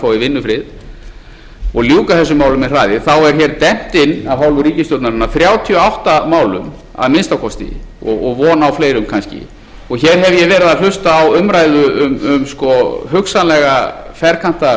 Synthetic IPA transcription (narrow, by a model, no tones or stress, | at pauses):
fawivɪnːʏfɾɪð | ɔɣljuːkaθɛsːʏmaːwlʏmɛr̥aːjðɪθawɛɾ̥çɛːɾt̪ɛn̥t̪ɪnːavɦawlvʏɾiːcɪst̪owt̪naɾɪnːaθɾjaːwt̪ʰiɔawht̪amaːwlʏ̰m | a̰ðmɪnst̪awkʰɔst̪ḭɔ̰ɣɔɣvɔːnaawfleːjɾʏmkʰanscɪ̰ | ɔɣçɛːɾɦɛvjɛvɛːɾɪðal̥ʏst̪aːwʏmɾajðʏʏmʏmskɔɦʏksanlɛɣafɛɾkʰan̥t̪a